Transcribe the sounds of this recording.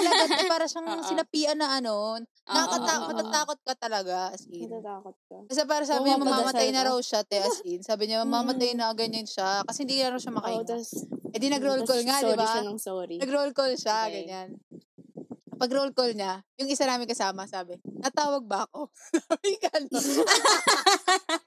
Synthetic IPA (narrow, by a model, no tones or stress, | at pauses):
t̪ɐlɐɡanɛpaːɾɐʃɐŋsɪnɐpiːʔɐnɐʔɐno̞ | nɐkɐkɐt̪aːmɐt̪at̪aːkot̪̚kɐt̪ɐlɐɡaʔɐsinaːt̪̚kkɐs̬ɛp̬aːɾɐs̬aːbɪɲamɐmamɐtt̪ajnɐɾɐwʃat̪ɛʔɐsinsaːbɪɲamɐmaːmɐt̪ajnɐɡɐɲɐnʃakɐsɛhɪnd̪iknɐɾɐwʃɐmɐkɐɪaɛd̪inɐɡɾolkolŋad̪ɪbanŋsɾiɐɡɾolkolʃaɡɐɲan | pɐɡɾolkolɲajʊŋʔɪsanaːmɪnkɐsaːmɐsaːbɛnɐt̪aːwɐɡ̚bɐʔɐko̞sabɪkɐn